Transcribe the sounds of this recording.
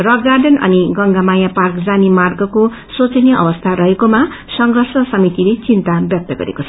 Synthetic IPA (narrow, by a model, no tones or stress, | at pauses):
rʌɡarɖʌnʌ̰niɡʌŋɡamajaparkd͡zanimarɡʌko | sot͡sʌnjʌʔʌ̰bʌst̪ʰaɾʌɦekoma | sʌŋɡʱʌrsʌsʌmit̪ilet͡sint̪abjʌk̚t̪ʌɡʌ̰ɾḛkot͡sʰʌ